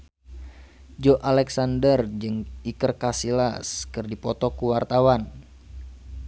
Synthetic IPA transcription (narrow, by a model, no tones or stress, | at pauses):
d͡ʒɔʔalɛksandərd͡ʒɨŋikərkasilaskɨrdipɔt̪ɔkuwart̪awan